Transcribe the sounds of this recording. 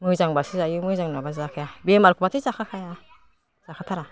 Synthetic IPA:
mɯjzaŋbasɯzajɯmɯzaŋnabaszakʰajabemaɾkʰubatʰizakʰakʰaja | z̥akʰatʰaɾa

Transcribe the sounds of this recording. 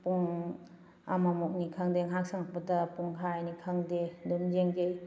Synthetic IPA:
puŋ | amamok̚nikʰaŋdeŋɦak̚saŋak̚padɐpuŋkʰajnikʰaŋdedund͡ʒeŋdej

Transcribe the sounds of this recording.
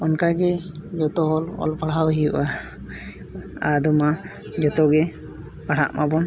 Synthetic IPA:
ɔnkaɡɛd͡ʒɔt̪ɔɦɔlɔ̰lpaɽ̤awɦijuʔa | ad̪ɔma | d͡ʒɔt̪ɔɡɛ | paɽ̤a̰ʔmabɔn

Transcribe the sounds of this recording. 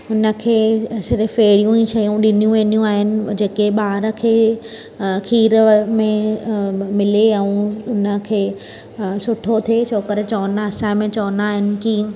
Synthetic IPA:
ʊnə̆kʰeːsɪɾfeːɽijũiʃɐjũɗɪnijũʋẽːnijũaːɦɪnɪ̆d͡ʑeːkeɓaːɾə̆kʰeː | kʰiːɾəmẽ | mɪleɛũʊnə̆kʰeː | sʊʈʰot̪ʰesʰoːkəɾet͡ɕɐʋənaɐsãmẽt͡ɕɐʋənaːɦɪnɪ̆kiː

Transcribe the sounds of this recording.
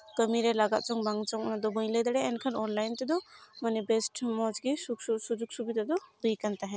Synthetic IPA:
kəmiɾɛlaɡa̰t̪̚t͡ʃɔŋbaŋt͡ʃɔŋnad̪ɔbəj̃lɛd̪aɽɛɛnkʰanɔnlajnt̪ɛd̪ɔmanɛbɛsʈmɔd͡ʒɡisuksusud͡ʒuɡ̚subid̪ad̪ɔbəjkant̪aɦɛ̃

